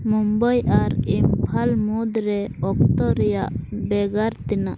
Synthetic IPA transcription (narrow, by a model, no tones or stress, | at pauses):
mumbajaɾimpʰalmud̪ɾɛɔk̚t̪ɔɾɛja̰ʔbɛɡaɾt̪ɛnaʔ